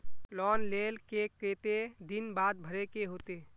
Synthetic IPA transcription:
lɔːnleːlkekɾeːt̪ed̪ɪnbaːd̪̚bʱəɾekeɦoːt̪eː

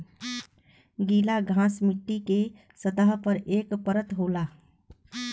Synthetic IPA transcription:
ɡilaɡʱãsmiʈːike | sət̪əɦpəɾekpəɾət̪ɦola

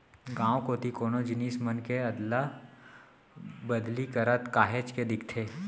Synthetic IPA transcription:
ɡãːwkoːt̪ikoːnod͡ʒɪniːsmənkeɐd̪la | bəd̪likəɾət̪kaːɦet͡ʃked̪ɪkʰt̪ʰeː

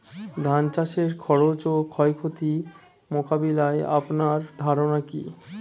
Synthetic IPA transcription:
d̪ʱant͡ɕaʃeɾkʰɔɾot͡ɕokʰɔekʰot̪i | mokabilaea̰pnaɾd̪ʱaɾonakḭ

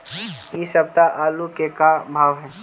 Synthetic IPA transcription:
isɐb̚t̪aʔaːlukekabʱaːʋɦɛː

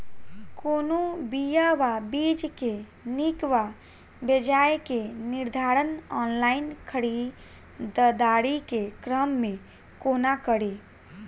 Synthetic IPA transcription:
konobijaʋabid͡ʒke | nikʋa | bed͡ʒaekeniɾd̪ʱaɾənɔnlainkʰəɽi | d̪əd̪aɽikekɾəmːẽ | konakəɽi

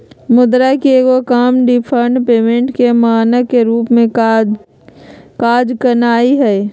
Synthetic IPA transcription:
mʊd̪ɾakieɡokaːmɖipʰəɾɳɖpeːmẽɳʈkemaːnəkeɾuːpmẽ | kaːd͡ʒkənaːiɦɛː

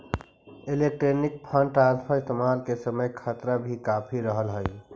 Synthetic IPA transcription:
elek̚ʈɾenik̚pʰə̃ɳʈɾaspʰəɪst̪emalkesəməjkʰət̪ɾabʱikapʰiɾəɦəlɦəj

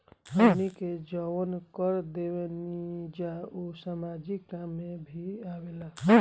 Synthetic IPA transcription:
əniked͡ʒəwənkəɾd̪ewenid͡ʒaosamad͡ʒikkamːebʱiabela

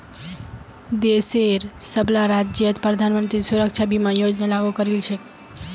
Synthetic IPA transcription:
d̪eseɾsəblaɾad͡ʒjət̪pɾəd̪ʱanmənt̪ɾisuɾəkt͡ʃʰabimãjod͡ʒnalaɡukəɾelt͡ʃʰe

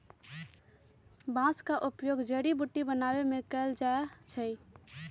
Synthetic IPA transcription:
bãːskaʔʊpjoːɡd͡ʒəɽibuʈːibənaːwemẽkɛld͡ʒaat͡ʃʰəi

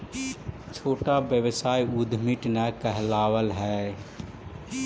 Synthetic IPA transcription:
t͡ʃʰoːʈabjəwəsaːjud̪ʱmiʈnakɛɦlaːwəlɦɛː

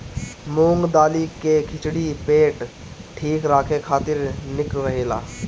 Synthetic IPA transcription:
mũːŋɡd̪aːlikekʰɪt͡ʃɽipeːʈ | ʈʰiːkɾaːkʰekʰaːt̪ɪɾnɪklːɐɦeːla̰ː

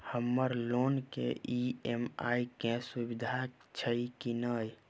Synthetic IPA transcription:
həmːəɾloːnkḛʔiema̰ikesubid̪ʱat͡ʃʰəikinəj

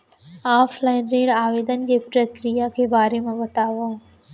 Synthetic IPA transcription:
aːflaːɪnɾeːɽɖaːʋeːd̪ən̆kepɾɐkɾijakʰeːbaːɾemãʋɐt̪aːʋaː

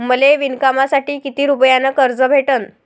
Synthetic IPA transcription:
məleʋinkamasaʈiːkit̪iːɾupjanəkəɾd͡zəbʱeʈən

